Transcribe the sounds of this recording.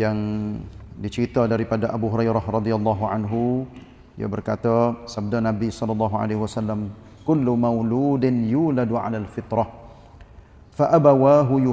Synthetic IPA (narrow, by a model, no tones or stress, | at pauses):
jaŋ | dit͡ʃəɾit̪adaɾipadaʔabuɦuɾajɾahrɑd̪ialˤːɑɦuʕanɦu | ija̰bərkat̪asab̚danabisɔlɔlːɑɦuʕa̰leɦwasalːam | kʊlːumawluːdɪnjuːladʕa̰lalfɪt̪ɾɑh | faʔabawaɦu